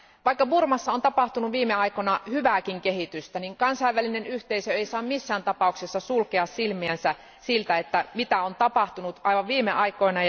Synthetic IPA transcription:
ʋɑikːɑburmɑsːɑont̪ɑpɑht̪unuʋʋiːmːeɑjkonɑhyʋæːkiŋkeɦit̪yst̪æniŋkɑnsɑiʋːælinenyht̪eisøeisɑːmmisːæːnt̪ɑpɑuksesːɑsulkeɑssilmiænsæ | silt̪æet̪ːæmit̪æont̪ɑpɑht̪unut̪ʔɑjʋɑʋʋiːmeʔɑjko̞inɑ

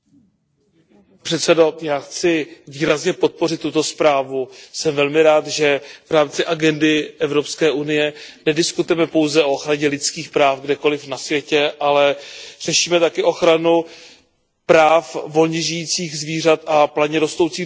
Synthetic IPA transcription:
pr̥ɛt̪sɛdo̞jaːxt͡sɪviːɾazɲɛpo̞t̪̚po̞rɪt̪ːut̪o̞spɾaːvusɛmvɛlmɪɾaːt̪ʒɛvɾaːmt͡sɪʔaɡɛndɪɛvɾo̞pskɛːʔunɪjɛnɛdɪskut̪ʊjɛmɛpo̞wzɛʔo̞oxɾaɲɛlɪt͡skiːxpɾaːfɡdɛko̞lɪfnasvjɛcɛʔalɛr̝̥ɛʃiːmɛt̪akɛʔo̞xɾanu | pɾaːfvo̞lɲɛʒɪjiːt͡siːɣzviːrat̪aplaɲɛɾo̞st̪o̞wt͡siː

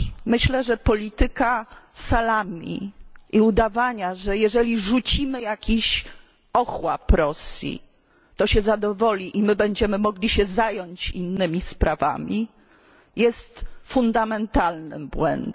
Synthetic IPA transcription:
mɘɕlɛʐɛpɔlʲit̪ɘkasalamʲḭʔiud̪avaɲaʐɛjɛʐɛlʲiʐut͡ɕimɘjakʲiɕ | ɔxwa̰pɾɔsʲjḭ | t̪ɔɕɛzad̪ɔvɔlʲiʔimɘbɛɲd͡ʑɛmɘmɔɡlʲiɕɛzajɔɲt͡ɕḭnːɘmʲispɾava̰mʲi | jɛst̪fund̪amɛnt̪alnɘ̰mbwɛ̰nd̪

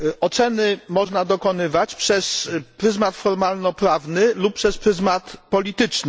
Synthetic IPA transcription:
ɔt̪sɛnɘmɔʐnad̪ɔkɔn̪ɘvat͡ɕpʂɛspɾɘzmat̪fɔɾmalnɔpɾavnɘlup̚pːʂɛspɾɘzmat̪pɔlʲit̪ɘt͡ʂnɘ

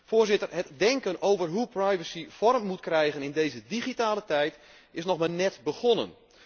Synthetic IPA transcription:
foːrzɪtərɦətdɛŋkənowvərɦuprajvəsifɔrmːutkrɛjɣənɪndejzədiχitaːlətɛjt | ɪsnɔχmaːnɛtbəɣɔnən

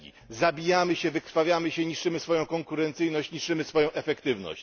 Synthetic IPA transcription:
ḭ | zabʲijamɘɕɛvɘkɾfavʲjamɘɕɛɲiʂt͡ʂɘmɘsfɔjɔ̃w̃kɔŋkuɾɛnt̪sɘjnɔɕt͡ɕɲiʂt͡ʂɘmɘsfɔjɔ̃w̃ʔɛfɛkt̪ɘvnɔ̰ɕt͡ɕ

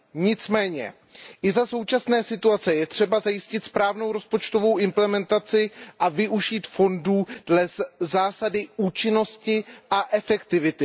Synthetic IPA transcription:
ɲɪt͡smɛːɲɛ̰ | ʔɪzaso̞wt͡ʃasnɛːsɪt̪uat͡sɛjɛt̪r̝̥ɛbazajɪscɪt̪spɾaːvno̞wɾo̞spo̞t͡ʃt̪o̞vo̞wɪmplɛmɛnt̪at͡sɪʔavɪʔuʒiːt̪fo̞nduːd̥lɛzaːsadɪuːt͡ʃɪno̞scɪʔaʔɛfɛkt̪ɪvɪt̪ɪ

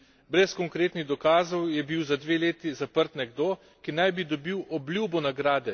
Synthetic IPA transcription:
bɾɛskɔŋkɾeːt̪niɣd̪ɔkaːzɔwjɛbiwzad̪ʋeːleːt̪izapəɾt̪nɛɡd̪oː | kinajbid̪ɔbiwʔɔblʲjubɔnaɡɾaːd̪ɛ

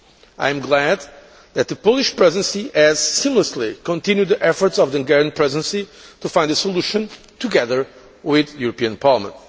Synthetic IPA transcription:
a̰jɨ̃mɡlæd̪ | ðɨt̪̚ðəpoʊlˠiʃpɹɛzə̃nsiɨz̥sĩmləslikɔ̃ntĩnjud̪ðiʔɛfɔ˞tsɔvðiɨ̃ɡɛɹɨ̃npʰɹɛzɨ̃nsit̪ufãɪ̃ndəsolˠuʃɨ̃n | t̪ʰuɡɛðə˞ | wɪðɨjuɾəpiɨ̃npʰɑɹlˠəmə̰̃nt

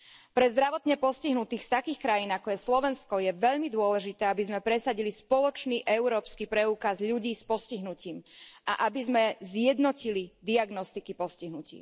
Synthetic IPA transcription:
pɾɛzd̪ɾaʋɔt̪ɲɛpɔsciɦnut̪iːxst̪akiːxkɾajiːnakɔjɛslɔʋɛnskɔjɛʋɛʎmid̪ʊɔlɛʒit̪ɛːabizmɛpɾɛsaɟilispɔlɔt͡ʃniːʔɛuɾɔːpskipɾɛuːkazʎuɟiːspɔsciɦnuciːmʔaʔabizmɛzjɛd̪nɔcilid̪iaɡnɔst̪ikipɔsciɦnucḭː

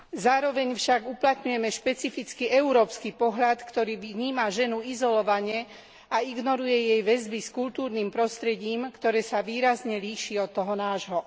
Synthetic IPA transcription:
zaːɾɔʋɛɲfʃaɡuplat̪ɲujɛmɛʃpɛt͡sifit͡skiɛuɾɔːpskipɔɦʎat̪kt̪ɔɾiːʋɲiːmaʒɛnuizɔlɔʋaɲɪɛ | aiɡnɔɾujɛjɛjʋɛzbiskuʎt̪uːɾniːmpɾɔst̪ɾɛɟiːmkt̪ɔɾɛːsaʋiːɾazɲɛliːʃiɔt̪ːɔɦɔnaːʒɦɔ

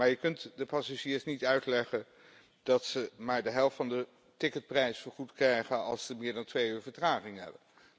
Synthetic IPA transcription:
maːɹjəkɵntdəpɑsaʒiːɹsnitœɥtlɛχən | d̥ɑtsəmaːɹdəɦɛlˠftfɑndə | tɪkət̚prɛjsfəːɹχutkrɛjχənɑ̰lˠsəmɪːɹdɑntʋejyːɹvəɹtraːχɪŋɦɛ̰bən

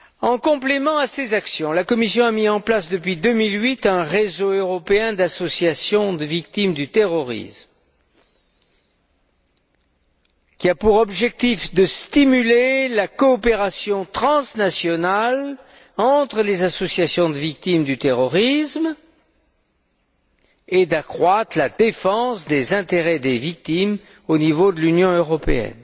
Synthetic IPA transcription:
ɑ̃kɔ̃plemɑ̃asezaksjɔ̃lakɔmisjɔ̃amiɑ̃plasd̪əpɥid̪əmilɥit̪ɛ̃ʁezoøʁɔpeɛ̃d̪asɔsjasjɔ̃d̪əvik̚t̪imd̪yt̪eʁɔʁḭsm | kʲiapuʁɔbʒɛk̚t̪ifd̪əst̪imylelakɔːpeʁasjɔ̃t̪χɑ̃snasjɔnal | ɑ̃t̪χəlezasɔsjasjɔ̃d̪əvik̚t̪imd̪yt̪eʁɔʁism | ed̪akχwat̪χlad̪efɑ̃sd̪ezɛ̃t̪eʁɛd̪evik̚t̪im | onivod̪əlynjɔ̃øʁɔpḛɛ̰n

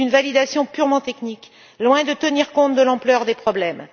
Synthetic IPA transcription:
ynvalid̪asjɔ̃pyʁmɑ̃t̪ɛknik | lwɛ̃d̪ət̪əniʁkɔ̃t̪̚d̪əlɑ̃plœʁd̪epχɔblɛm

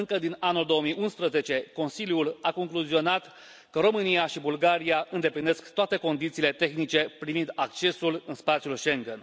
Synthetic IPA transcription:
ɨŋkəd̪inanuld̪o̞əmijʔunspɾəze̞t͡ʃe̞ko̞nsiljulako̞ŋkluzio̞nat̪ | kəɾo̞mɨnijaʃibulɡaɾiaɨnd̪e̞pline̞skt̪oat̪e̞ko̞nd̪it̪siːle̞t̪e̞xnit͡ʃe̞pɾivind̪akt͡ʃe̞sulɨnspat̪sijulʃe̞ŋɡen

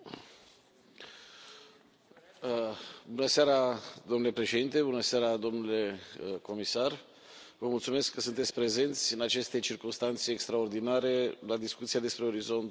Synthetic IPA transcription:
bunəseaɾad̪omnule̞pɾe̞ʃed̪int̪e̞bunəseaɾad̪o̞mnule̞ko̞misar | vəmult̪sume̞skːəsunt̪et̪sʲpɾe̞ze̞nt̪sʲɨnat͡ʃe̞st̪e̞t͡ʃirkumst̪ant̪se̞ːkst̪ɾao̞rd̪inaɾe̞lad̪iskut̪siad̪e̞spɾe̞o̞ɾizo̞nt̪

